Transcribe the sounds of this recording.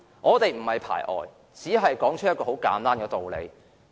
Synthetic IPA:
ŋʔɔː˨˧t̪e˨jm̩˨˩hɐ˨jpʰa̰ː˨˩jʔɔ̰ː˨j | t͡siː˨˥ɦɐ˨jkɔː˨˥ŋt͡ʃ̚ʰjɐ˥t̚kɔː˧ho˨˥wka̰ː˨˥nt̪aː˥nkɛː˧t̪o˨wlḛ˨˧j

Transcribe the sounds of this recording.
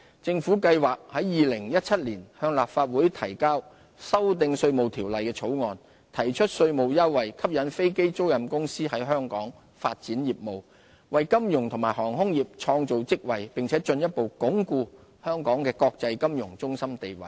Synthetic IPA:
t͡sɪ˧ŋfuː˨˥kɐ˧jwaː˨˩k̚hɐ˨˥jjiː˨lɪ˨˩ŋjɐ˥t̚t͡sʰɐ˥t̚liː˨˩nhœː˧ŋlaː˨p̚faː˧t̚wuː˨˥jt̪ʰɐ˨˩jkaː˥w | sɐ˥wt̪ɪ˧ŋsɵ˧ɥmo˨wt̪ʰiː˨˩wlɐ˨jkɛː˧t͡sʰo˨˥wŋɔː˨n | t̪ʰɐ˨˩jt͡ʃʰɵ˥t̚sɵ˧ɥmo˨wjɐ˥wːɐ˨jkʰɐ˥p̚jɐ˨˧˥nfe˥jke˥jt͡so˥wjɐ˨mkʊ˥ŋsiː˥hɐ˨˥jɦœː˥ŋkɔː˨˥ŋ | faː˧t̚t͡siː˨˥njiː˨p̚mo˨w | wɐ˨jkɐ˥mjʊ˨˩ŋt̪ʰʊ˨˩ŋmaː˨˩ɦɔː˨˩ŋɦʊ˥ŋjiː˨p̚t͡ʃʰɔː˧ŋt͡so˨wt͡sɪ˥k̚wɐ˨jpɪ˨ŋt͡sʰɛː˨˥t͡ʃɵ˧njɐ˥t̚po˨wkʊ˨˥ŋkuː˧ | hœː˥ŋkɔː˨˥ŋkɛː˧kɔː˧k̚t͡sɐ˧jkɐ˥mjʊ˨˩ŋt͡sʊ˥ŋsɐ˥mt̪e˨jwɐ̰˨˩j

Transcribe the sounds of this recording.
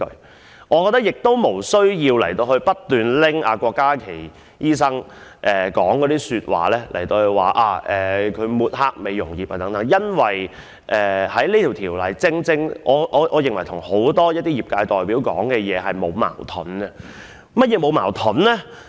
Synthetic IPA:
ɵ̰˧ | ŋɔː˨˧kɔ˧t̪ːk̚jɪ˨k̚t̪o˥wmo˨˩wsɵ˥ɥjiː˧wlɐ̰˨˩jt̪o˧whɵ˧ɥpɐ˥t̚t̪yː˨˩nlɪ˥ŋaː˨˧kʷɔː˧kːaː˥kʰe˨˩j | jiː˥sɐ˥ŋ | ʔɛː˨kɔː˨˥ŋkɔ˨˥t̪iː˥syː˧t̚wa̰ː˨lɛː˥lʔɐ̰˨˩jt̪o˧whɵ˧ɥwa̰ː˨ʔaː˧˩ʔɛː˨˩kʰɵ˨˧ɥmuː˨t̚haː˧k̚me˨jːʊ˨˩ŋjiː˨p̚haː˨t̪ɐ˨˥ŋt̪ɐ˨˧˥ŋjɐ˥nwɐ˨j | ʔɛː˨hɐ˨˥jli˥t̪ʰi˨˩wt̪ʰiː˨˩wlɐ˨jt͡sɪ˥ŋt͡sɪ˥ŋʔɔː˨˧ʔɔː˨˧ʔɔː˨˧jɪ˨˩ŋwɐ˨˩jt̪ʰʊ˨˩ŋho˨˥wt̪ɔː˥jɐ˥t̚t̪iː˥jiː˨p̚kaː˧jt̪ɔː˨˩jpiː˨˥wkɔ̰ː˨˥ŋkɛː˧jɛː˨˧ɦɐ˨jmo˨˧wma̰ː˨˩wt̪ʰɔ˨˥nɐ˧ | mɐ˥t̚jɛː˨˧mo˨˧wma̰ː˨˩wt̪ʰʊ˨˥nlɛː˥

